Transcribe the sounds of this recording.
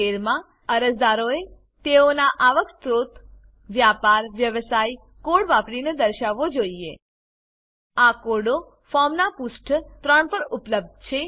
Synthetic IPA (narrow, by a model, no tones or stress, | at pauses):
eɾmã | əɾəsd̪aɾoe | t̪eonaʔaʋəkst̪ɾot̪ | ʋjapaɾʋjəʋsaj | koɽʋapɽined̪əɾʃaʋːod͡ʒoie | akoɖo | fɔmnapusʈʰt̪ɾəɳpəɾupləb̚d̪̚t͡ʃʰe